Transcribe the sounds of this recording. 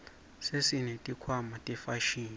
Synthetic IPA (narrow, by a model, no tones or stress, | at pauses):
sesinetʼikʰwamatʼɛfaʃiːni